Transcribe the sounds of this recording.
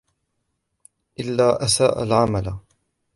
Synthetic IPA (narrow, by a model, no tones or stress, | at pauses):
ʔɪlːaːʔasa̰ːʔa̰lʕamala